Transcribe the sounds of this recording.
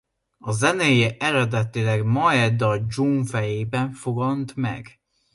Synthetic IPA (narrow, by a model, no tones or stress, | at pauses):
ɒzɛnejeʔɛɾɛd̪ɛt̪ilɛɡmɒɛd̪ɒd͡ʒuɱfɛjeːbɛɱfoɡɒnt̪mɛ̰ɡ